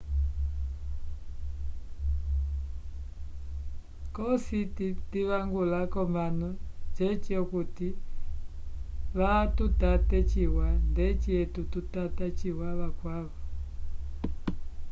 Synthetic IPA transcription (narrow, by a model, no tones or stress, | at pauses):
kɔsititiβaŋɡulakɔmanɔt͡ʃɛt͡ʃiɔkuti | βatutatɛt͡ʃiwandɛt͡ʃiɛtututatat͡ʃiwaβakwaβɔ